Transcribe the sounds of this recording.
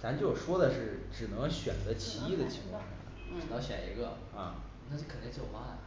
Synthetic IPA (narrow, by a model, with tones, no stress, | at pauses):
na˧˥nt͡ɕjo˥˩ʂwɔ˥d̪ə˨ʂɻ̩˥˩ʈ͡ʂɻ̩˨˩nɤ˧˥ŋɕɥɛ̰˨˩nd̪ə˦t͡ɕʰi˧˥i˥˩d̪ə˨t͡ɕʰi˧˥ŋkʰwɑ˥˧ŋʂɑ̰˥˩˧ʈ͡ʂɻ̩˨˩nɤ˧˥ŋɕɥɛ̰˨˩nḭ˧˥ɡə˧ | ɐ˥˩ | na˥˩˥kʰə˨˩nt̪i˥˧t͡ɕjo˥˩ʊma˥˩n